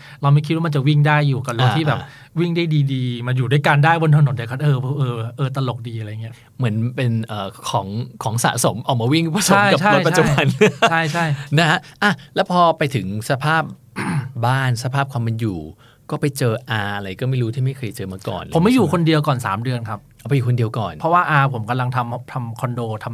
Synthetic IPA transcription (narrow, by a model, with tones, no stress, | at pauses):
ɾa˧wma˥˩kʰi˦˥wa˥ma˧t͡ɕa˨˩wi˥˩ŋdaː˥˩jːuː˨˩ka˨˩lo˧ŋ˧t̪ʰiː˥˩bɛː˨˩ | wi˥˩ŋdaː˥˩jdiː˧diː˧ma˧njuː˨˩du˥˩jkaː˧ndaː˥˩jbo˧nt̪ʰa˧no˨˦nda˨˩kʰa˦˥t̪ʔɤː˧pʰːʔɤː˧ʔɤː˧t̪a˧lo˨˩k̚diː˧ʔɾa˧ja˨˩ŋi˦˥ɐ | mɯ˩˦ənpe˧nʔəː˨˩kʰɔː˩˦ŋkʰɔː˩˦ŋsa̰ː˩˦so˩˦mʔɔː˨˩k̚maː˧wi˥˩ŋpa˧sʰo˨a˥˦˥m˩jka˨˩t͡ɕʰa˥˧˦jpa˨t͡ɕʰa˩t͡ɕu˩˨˩jba˧n˥t͡ɕʰa˥˩jt͡ɕʰa˥˩jna˦˥ha˦˥ʔa˧˩lɛː˦˥wpʰɔː˧pa˧jt̪ʰɯ˨˩˦ŋsa˧pʰaː˥˩p̚ | baː˥˩nsa˧pʰaː˥˩p̚kʰwaː˧me˧njuː˨˩ | kɔː˥˩pa˧jt͡ɕɤː˧ʔaː˧ʔa˧ɾa˧jkɔː˥˩ma˥˩jɾu˦t̪ʰiː˥˩ma˥˩jkʰɤː˧jt͡ɕɤː˧maː˧kɔ̰ː˨˩nʰo˩˦mːa˥˩˦juː˨˩kʰo˧ndi˧əwkɔː˨˩nsa̰ː˩˦mdɯ˧ənkʰa˦˥p̚ʔpa˧juː˨˩kʰo˧ndi˧əwkɔː˨˩npʰɔ˦˥waː˥˩ʔaː˧pʰo˨˩˦mka˧mla˧ŋt̪ʰa˧mt̪ʰa˧mkʰɔ˧ndoː˧t̪ʰa˧m